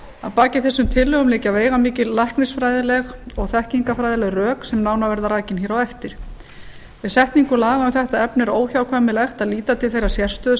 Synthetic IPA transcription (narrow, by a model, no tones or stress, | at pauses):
a̰ðpaːcɪθɛsːʏmt̪ʰɪlːʏɣʏmlɪːcaveːjɣamiːcɪllahknɪsfɾaːjðɪlɛɣɔɣθɛhciŋkafɾajðɪlɛɣrœːksɛmnawnavɛɾðaɾaːcɪnçɛːɾawɛft̪ɪɾ̥ | vɪðsɛht̪niŋkʏlaːɣamθɛht̪aɛpnɪɾoːwçawkʰvamɪlɛxt̪aðliːt̪at̪ʰɪlθejɾḁsjɛr̥st̪œð